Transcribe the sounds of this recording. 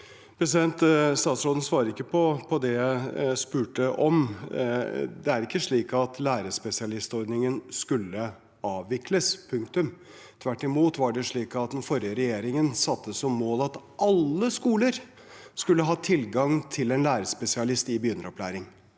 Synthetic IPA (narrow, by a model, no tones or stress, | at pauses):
pʰɾɛs̬ɪd̪ɛnt̪st̪ɑːt̪sɾoːd̪ən̩sʋɑːɾəɾɪkːəpʰɔpʰɔd̪ɛspʉːʈəʔɔm | d̪ɛæɾɪkːəʂɭiːkɑt̪ʰlæːɾəspɛsɪɑlɪst̪ɔɾɖ̪nɪŋənskʉlːə | ɑːʋːɪkʰləspʰɵŋkt̪ʉm | t̪ʰʋæʈːɪmuːt̪ʋɑɖɛʂɭiːkɑt̪̚d̪ɛnfɔɾjəɾɛjeːɾɪŋənsɑt̪ːəssɔmːoːlɑt̪ | ʔɑlːəskuːləɾ | skʉlːəɦɑːt̪ʰɪlɡɑŋt̪ʰɪlɛnlæːɾəspɛsɪɑlɪst̪ɪbəjʏnɾɔplæ̰ːɾɪŋ